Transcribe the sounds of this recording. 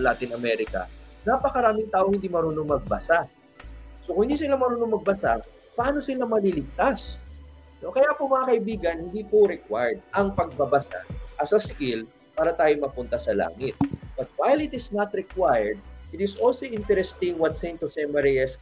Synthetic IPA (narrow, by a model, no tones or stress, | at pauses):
ɐlaːt̪ɪnɐmɛɾɪkɐ̰napɐkɐɾaːmɪŋt̪aːʔoŋhɪnd̪iːmɐɾunoŋmɐɡ̚bɐsa | sokʊ̃ŋhɪnd̪iːsɪlamɐɾoːnoŋmɐɡ̚bɐsa | pɐʔaːno̞sɪlamɐlilɪɡ̚t̪as | no̞kɐjaːpomɐŋakɐʔɪbiːɡɐnhɪnd̪iːpoɾɛkwajd̪̚ʔɐŋpɐɡ̚bɐbɐsa̰ʔɐsɐskɪl | paːɾɐt̪aːjomɐpʊnt̪ɐsɐla̰ːŋɪt̪̚bɐt̪̚wajlɪt̪ɪsnɐt̪ɾɛkwajɛɹd̪̚ʔɪt̪ɪsʔolsoʔɪnt̪ɛɾɛst̪ɪŋwɐt̪sejnt̪ʊsɛmɛɹiɛs